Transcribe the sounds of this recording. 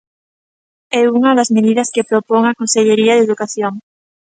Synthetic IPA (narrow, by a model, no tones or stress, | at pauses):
ɛuŋɐðazmeðiðɐskepɾopoŋakonseʎeɾiɐðeðukaθjoŋ